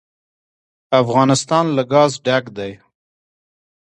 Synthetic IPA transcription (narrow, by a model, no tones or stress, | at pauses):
afɣɑːnɪst̪ɑːnlaɡɑːzɖakd̪aj